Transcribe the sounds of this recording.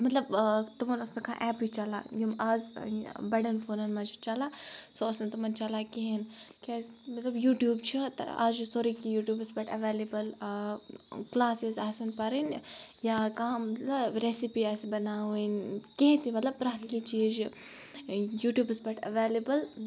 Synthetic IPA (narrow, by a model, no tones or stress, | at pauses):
mɐt̪lɐbt̪umɐnʊsnɐkʰã̰ːʔɛːpit͡ʃɐla̰jumaːzbɐɽɐnfʰoːnɐnmɐd͡ʒit͡ʃɐlasoʊsnɐt̪umɐnt͡ʃɐlakeɦenkemɐt̪lɐbjuːʈjuːbt͡ʃʰit̪a̰ːzusoːɾikijuːʈjuːbɨsbɐʈɐʋeːlibɐl | klaːsizaːsɐnpɐɾinjakãmɐt̪lɐbɾeːsipiaːsbɐnaːʋinkeɦt̪imɐt̪lɐb̚pɾɐɦt̪kit͡ʃiːd͡ʒ | juːʈjuːbɨsbɐʈʰɐ̰ʋeːlibɐl